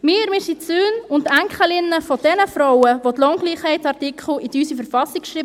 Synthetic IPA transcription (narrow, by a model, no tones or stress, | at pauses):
mɪːɾmɪsisøːnʊntæŋkχəlɪnːəfɔd̥ɛnəfɾɔwəʋotlɔŋɡliːχhɛɪtsɑrtikʰχl̩idyːsifəɾfɑsikʃɾiːb